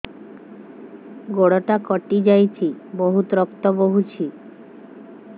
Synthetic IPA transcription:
ɡoɽoʈakɔʈid͡ʑajt͡ɕʰiboɦut̪ɾɔkt̪oboɦut͡ɕʰi

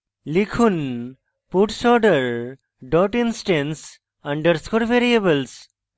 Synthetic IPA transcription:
likʰun | puʈʃɔɖəɾ | ɖɔʈɪ̃nsʈẽns | ʌ̃ɳɖəɾskɔɾʋeɾiebəls

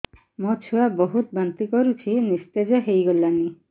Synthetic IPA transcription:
mɔt͡ʃʰuaboɦut̪bant̪ikɔɾut͡ʃʰinist̪ed͡ʒɔɦejɡolːani

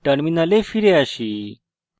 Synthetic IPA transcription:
ʈəɾminalefiɾeaɕiː

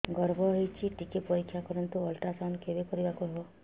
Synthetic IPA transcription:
ɡɔɾbʱɔɦɔjt͡ʃʰiʈikepɔɾikʰːjakɔɾənt̪uɔlʈasankebekɔɾibakoɦebɔ

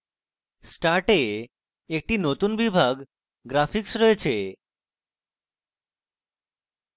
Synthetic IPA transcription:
sʈaɾʈe | ek̚ʈinot̪unbibʱaɡ | ɡɾafʰiksɾɔet͡ɕʰe

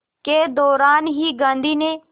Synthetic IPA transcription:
ked̪ɔːɾaːnɦiɡə̃nd̪ʱine

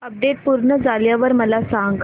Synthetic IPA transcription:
əp̚ɖeʈ̚puːɾɳəd͡zaljaʋəɾməlasãŋɡ

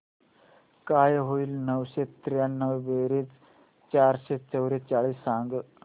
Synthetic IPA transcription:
kajɦoiːlnəʋɕet̪ɾjanːəwbeɾiːt͡s | t͡ɕaɾɕet͡səwɾet͡saɭiːsːãŋɡ

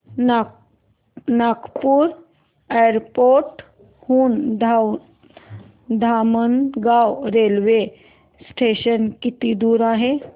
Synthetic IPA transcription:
nakpuːɾ | eəɾpoːɾʈ | huːnd̪ | d̪ʱamənɡawɾelʋe | sʈʰeɕənkit̪id̪uːɾaːɦe

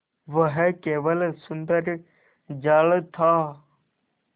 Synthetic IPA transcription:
ʋəɦkeːʋəlsʊnd̪əɾ | d͡ʒaːlt̪ʰaː

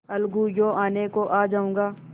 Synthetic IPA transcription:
ɐlɡujoʔaːnekoʔaːd͡ʒaːũːŋɡaː

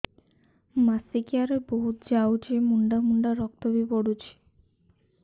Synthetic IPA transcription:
masikiaɾeboɦut̪d͡ʑaod͡ʑemuɳɖamuɳɖaɾɔkt̪obipoɽut͡ɕʰi̥

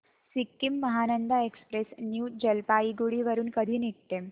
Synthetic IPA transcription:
sikːimːəɦanənd̪ʱaekspɾesnjuːd͡ʑəlpaiɡuɽiʋəɾuːnkəd̪ʱiːniʈ̚ʈ̪em

